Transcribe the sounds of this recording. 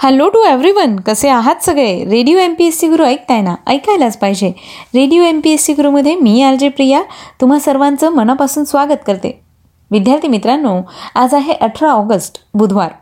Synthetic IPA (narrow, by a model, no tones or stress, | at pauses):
hɛloʈueʋɾiʋənkəseaɦat̪səɡɭeɾeɽijoempiessiɡuɾuəjk̚t̪ajnaəjkajlad͡zpajd͡ʑeɾeɽijoempiesiɡuɾuməd̪ʱjemiːaɾd͡ʑepɾijat̪um̤asəɾʋãnt͡səːmənapasuːnsʋaɡət̪kəɾt̪ḛ | ʋid̪jaɾt̪imit̪ɾanːoad͡zaɦeʔəʈʰɾaɔɡəsʈbud̪ʱʋaɾ